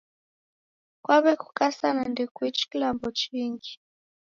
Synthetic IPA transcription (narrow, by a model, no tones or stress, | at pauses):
kwaβɛku̥kasanandɛkwit͡ʃi̥kilambɔt͡ʃiŋɡi